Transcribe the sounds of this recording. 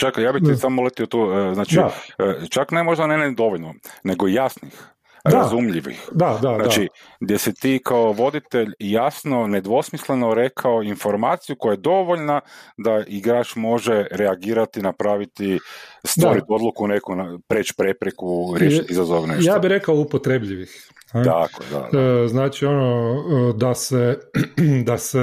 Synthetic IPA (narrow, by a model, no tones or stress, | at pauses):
t͡ʃakjaːbit̪isamolˠet̪iot̪uːəznaːt͡ʃit͡ʃaknemo̞ʒd̪anened̪o̞ʋoʎnone̞ɡojasnix | ɾazumʎiʋḭxd̪ad̪anaaiɡd̪je̞sit̪iːkao̞ʋo̞d̪it̪e̞ʎjasno̞ne̞d̪ʋo̞smisle̞noɾe̞kʰaoinfo̞ɾmaːt̪sijuko̞jajed̪o̞ʋoʎnad̪aʔiɡɾaːt͡ʃmo̞ʒe̞ɾeaɡiːɾat̪inapɾaːʋit̪ist̪oɾit̪o̞d̪lˠukune̞kunapɾeːt͡ʃpɾe̞pɾekuɾjeʃiizazoʋnejjaːbiɾekaoupot̪ɾebʎiʋix | nt̪a̰ko̰ed̪a̰d̪znaːt͡ʃio̞nod̪ase | d̪ase